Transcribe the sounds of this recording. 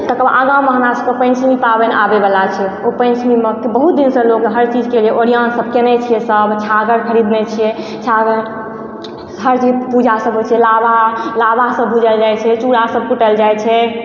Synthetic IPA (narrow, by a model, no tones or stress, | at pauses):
t̪əkəbʔaɡãwmeɦəmɾasəb̚kepə̃nt͡ʃʰmipabenabebəlat͡ʃʰɛopə̃nt͡ʃʰmimekbəɦut̪̚d̪insə̃lokɦəɾt͡ʃid͡ʒked͡ʒeʔoɾijansəb̚ʱkenɛt͡ʃʰijɛsəbt͡ʃʰaɡəɾkʰəɾid̪nɛt͡ʃʰijɛ | t͡ʃʰaɡəɾ | ɦəɾt͡ʃipud͡ʒasəbɦot͡ʃʰɛlabalabasəbʱud͡ʒəld͡ʒajt͡ʃʰɛt͡ʃuɾasəb̚kuʈəld͡ʒajt͡ʃʰɛ